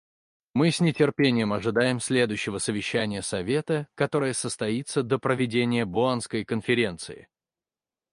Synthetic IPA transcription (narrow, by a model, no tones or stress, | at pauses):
mɨsʲnʲɪtʲɪrpʲenʲɪjəmɐʐɨd̪ajɪmsʲlʲe̞d̪ʊjɕːɪvəsəvʲɪɕːænʲɪjəsɐvʲe̞t̪əkɐt̪o̞ɾəjəsəst̪ɐit̪səd̪əpɾəvʲɪdʲenʲɪjəbʊanskəjkənfʲɪɾʲe̞nt̪sɨ̰ɪ̰